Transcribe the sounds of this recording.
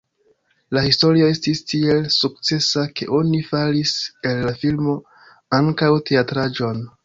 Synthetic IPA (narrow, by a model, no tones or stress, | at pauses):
lahisto̞ɾio̞e̞stistielsuk̚t͡se̞sake̞̰ʔo̞nifalise̞lːafilmo̞ | aŋkawte̞atɾad͡ʒo̞n